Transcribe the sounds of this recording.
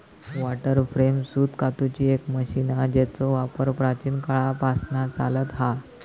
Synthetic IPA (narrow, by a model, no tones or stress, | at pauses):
ʋaʈəɾfɾemsuːt̪kat̪ut͡ɕiːekməɕinad͡ʑɛt͡sɔʋapəɾpɾat͡ɕiːnkaɭapasnat͡salət̪ɦa